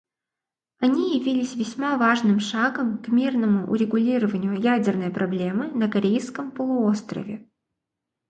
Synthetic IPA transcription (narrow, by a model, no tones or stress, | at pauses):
ɐnʲijɪvʲilʲɪsʲvʲɪsʲmavaʐnɨmʂaɡəmkmʲirnəmʊʔʊ̰ɾʲɪɡʊlʲiɾəvənʲɪjʊjædʲɪrnəjpɾʔɐblʲe̞mɨnəkɐɾʲejskəmpəlˠʊost̪ɾə̰vʲɪ